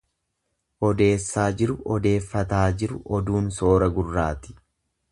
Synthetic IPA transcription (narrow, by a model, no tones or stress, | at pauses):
ʔɔd̪e̞ːsːaːd͡ʒɪɾʊʔɔd̪e̞ːfːɐt̪aːd͡ʒɪɾʊʔɔd̪uːnso̞ːɾɐɡʊrːaːt̪ɪ̥